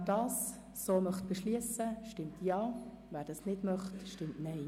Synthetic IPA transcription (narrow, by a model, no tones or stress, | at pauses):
dɑːsː | oːmœχt̚b̥ɛʃliəsəʃtɪmtʰjɑː | væːɾd̥ɑsnɪdmœχtʃtɪmtnɛɪ